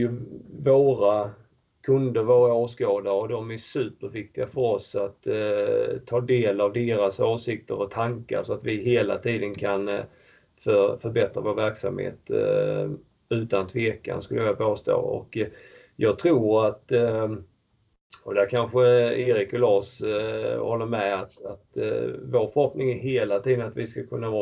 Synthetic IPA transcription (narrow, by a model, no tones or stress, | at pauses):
jɵvoːɾa | kʰɵnd̪əɾvoːɾaoːskoːd̪aɾɔd̪ɔmæʂʉ̟ːpəɾvɪk̚t̪ɪɡafœɾɔsat̪ | tʰːɑːd̪eːlavd̪eːɾasoːsɪkt̪əɾɔt̪ʰaŋka̰ɾsɔat̪vɪɦeːla̰t̪ʰiːd̪ənkʰan | fœfœɾbɛt̪ɾavoːɾvæɾksa̰mhḛːt̪ | ʉ̟ːt̪ant̪ʰveːka̰nskɵlːəjɑɾabɑːst̪o̰ːɔ̰kː | jɑːɡ̚t̪ʰɾuːɾat̪ | ɔd̪æɾkʰanɧəɪɾɪkʊloːs | hɔlːəɾmɛat̪at̪voːɾfœɾhɔpnɪŋæɦeːlat̪ʰiːd̪ənat̪vɪskakʰɵnːavɑː